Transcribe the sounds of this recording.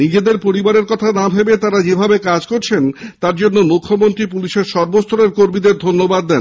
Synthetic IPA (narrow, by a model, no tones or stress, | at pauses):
nid͡ʑed̪eɾpoɾibaɾeɾkɔt̪ʰanabʱebet̪aɾad͡ʑebʱabekad͡ʑkoɾt͡ɕʰent̪aɾd͡ʑonːomukʰːomont̪ɾipuliʃeɾʃɔɾbost̪ʰoɾeɾkoɾmid̪eɾd̪ʱonːobad̪ːɛn